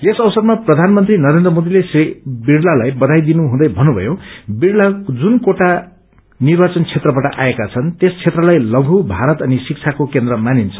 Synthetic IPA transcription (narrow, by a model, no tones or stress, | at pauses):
esʌwsʌrmaprʌd̪ʱanmʌnt̪rinʌɾend̪rʌmod̪ilesbiɽlalajbʌd̪ʱajd̪inuɦũd̪ʌjbʱʌnːubʱʌ̰jobiɽlad͡zunkoʈa | nirbat͡sʌnt͡sʰet̪rʌbaʈʌʔa̰ekat͡sʰʌnt̪est͡sʰet̪rʌlajlʌɡʱubʱaɾʌt̪ʌnisik̚t͡sʰakokend̪rʌmanint͡sʰʌ̥